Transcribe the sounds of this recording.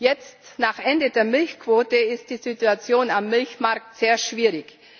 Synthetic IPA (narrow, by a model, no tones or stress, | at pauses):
jɛt͡stnaːχʔɛndədeːɐmɪlçkv̥oːtəɪst̚d̥iːzituat͡sjoːnamːɪlçmaɐk̚tz̥eːɐʃv̥iːʁɪç